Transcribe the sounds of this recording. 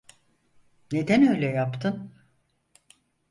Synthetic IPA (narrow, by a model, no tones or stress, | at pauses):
ne̞d̪ænø̞jlʲɛjapt̪ʰɯn